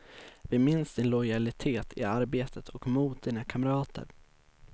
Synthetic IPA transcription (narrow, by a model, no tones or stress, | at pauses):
vɪmɪnsd̪ɪnlɔjalɪt̪ʰeːt̪ʰɪ̰aɾbeːt̪ʰət̪ʰɔkmuːt̪̚d̪iːnakʰamɾɑːt̪ʰə̰ɾ